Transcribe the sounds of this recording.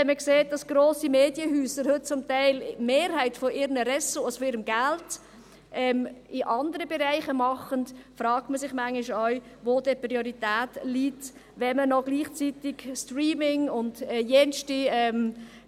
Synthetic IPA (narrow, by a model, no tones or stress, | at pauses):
ɛnməkseːt̚d̥ɑsɡ̥ɾoːsimeːdjəhyːsəɾhɵt̚t͡sʊmtaɪlmeːɾhaɪtfɔʔɪːɾnəɾɛsoɔsfɔɪːɾəmɡalt | ʔɛːmɪʔɑndəɾəbɛɾaɪχəmɑχəntfɾɑːk̚tməsɪχmaŋlɪʃɔʏ | voːd̥ɛpɾioɾitæːtliːt | ʋɛmənɔɡliːχt͡sitɪɡstriːmɪŋʊndɛjɛnʃtiɛːm